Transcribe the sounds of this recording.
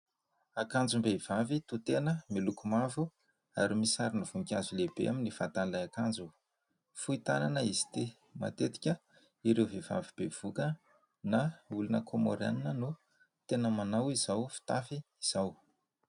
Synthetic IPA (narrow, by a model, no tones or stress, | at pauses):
akand͡zumbev̥avit̪ut̪enəmilukumavu | aɾimisaɾinuv̥uŋkʲazulebḛʔaminifa̰t̪anlajakand͡ʒu | fuit̪ananəizi̥t̪e | ma̰t̪et̪i̥kʲə | iɾewveva̰vib̥ev̥ukə | naulunə̰kʰomo̰ɾa̰ninənu | t̪enəmanawizawfi̥t̪afiiz̥aw